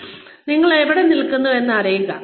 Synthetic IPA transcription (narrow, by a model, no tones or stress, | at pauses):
niŋːɐɭeʋiɽenilkːunːue̞nːɐɐrɐjuŋɡɐ